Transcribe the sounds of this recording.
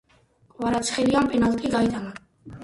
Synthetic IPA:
qʼwaɾat̪sʰχɛlianpʼɛnalt̪ʼiɡait̪ʼana

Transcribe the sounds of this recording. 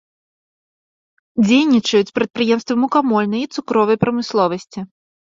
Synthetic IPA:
d͡zʲejnʲit͡ʂɐjut͡sʲpɾɐt̪̚pɾɨjɛmst̪vɨmukamɔlʲnɐjit̪sukɾɔvɐjpɾɐmɨslˠɔvɐsʲt͡sʲi

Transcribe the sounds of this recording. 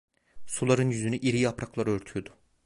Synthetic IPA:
sulˠaɾɯnjyzynyʔiɾijapɾaklˠaɾøɾt̪ʰyjod̪ʊ̥

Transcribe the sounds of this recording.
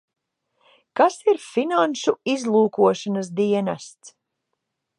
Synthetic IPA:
kasiɾfinanʃuizlˠuːkuɔʃanas̬d̪iɛnast̪s

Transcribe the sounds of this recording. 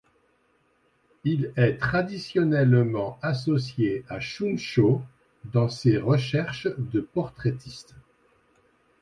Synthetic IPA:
ilɛt̪χad̪isjɔnɛlmɑ̃as̬ɔsjeaʃunʃo | d̪ɑ̃seʁəʃɛʁʃd̪əpɔʁt̪χet̪ist̪

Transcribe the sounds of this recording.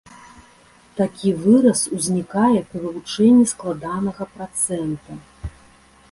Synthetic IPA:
t̪akʲivɨɾɐsuzʲnʲikajɛpɾʲivɨvut͡ʂɛnʲːisklˠad̪anɐɣɐpɾat̪sɛnt̪ɐ

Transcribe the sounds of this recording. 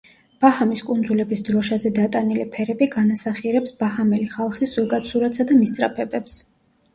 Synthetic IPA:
b̥ahamiskʼund̪zulɛbisd̪ɾɔʃazɛd̪at̪ʼanilɛpʰɛɾɛbiɡanasaχiɛɾɛpsbaɦamɛliχalˠχisz̥ɔɡat̪suɾat̪sad̪amist̪sʼɾa̰pʰɛbɛps

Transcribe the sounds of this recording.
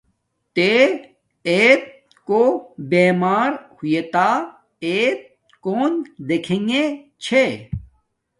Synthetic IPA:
t̪e | eːt̪̚ | kobeːmaːɾhujet̪a | eːt̪̚ | koːnd̪ekʰẽŋɡet͡ɕʰe

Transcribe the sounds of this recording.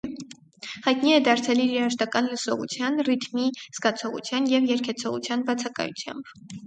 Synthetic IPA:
hɑjt̪niɛd̪ɑɾt͡sʰɛliɾiɾɑʃt̪ɑkɑnləsɔʁṵt͡sʰjɑnrit̪ʰmiz̥ɡɑt͡sʰɔʁṵt͡sʰjɑnjɛvjɛɾkʰɛt͡sʰɔʁṵt͡sʰjɑnbɑt͡sʰɑkɑ̰jṵt͡sʰjɑ̰mb

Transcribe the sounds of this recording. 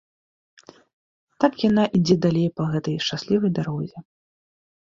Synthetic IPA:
t̪akjanaʔid͡zʲɛd̪alʲejpɐɣɛt̪ɐjʂt͡ʂasʲlʲivɐjd̪aɾɔzʲɛ

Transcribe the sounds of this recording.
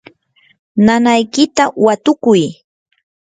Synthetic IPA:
nanajkɪt̪awat̪ʊkʊj

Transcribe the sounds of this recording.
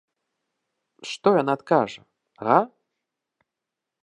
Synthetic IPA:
ʂt̪ɔjanat̪kaʐɐ | ɣa

